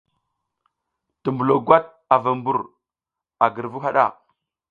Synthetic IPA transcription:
tu˨mbu˨lo˨ɡwa˦t̚ | a˨va˨mbu˨ɾ | a˨ɡə˨ɾvu˦ɦa˦ɗa̰˦˨

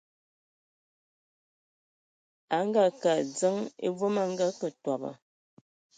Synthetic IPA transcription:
a˨˦ŋ˦ɡa˦ka˨d͡zə˦ŋḛ˦vo˦ma˦ŋ˦ɡa˦kə˨twa˨ba̰˨

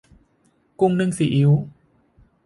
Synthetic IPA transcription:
ku˧ŋnɨ˧ŋsi˨˩˦ʔi˨˦w

